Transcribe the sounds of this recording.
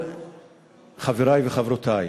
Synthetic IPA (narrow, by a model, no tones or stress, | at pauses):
χaveɾajveχavɾot̪ʰaj